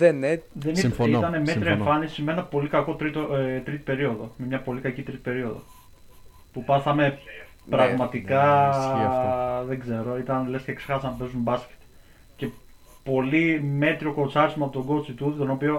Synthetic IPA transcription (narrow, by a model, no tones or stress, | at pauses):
enðeniit̪ɐne̞me̞t̪ɾieɱfɐnisimeenɐpo̞likɐko̞t̪ɾit̪ot̪ɾit̪i̥pe̞ɾio̞ðo̞̰me̞mɲɐpo̞likɐcit̪ɾit̪i̥pe̞ɾio̞ðo̞̰ | pupɐθɐme̞ | pɾɐɣmɐt̪ikɐ | ðe̞ɡze̞ɾo̞it̪ɐnle̞sceksexɐsɐnpe̞zumbɐsce̥t̪ | ce̞ | po̞lime̞t̪ɾio̞ko̞nt͡sɐɾismɐpo̞t̪o̞ŋɡot͡sit̪ut̪it̪o̞no̞pio̞